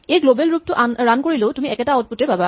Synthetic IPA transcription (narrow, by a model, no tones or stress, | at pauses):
ejɡlobɛlɹup̚tʊʔaɹankoɹilotumiɛkɛtaɔt̚putɛpaba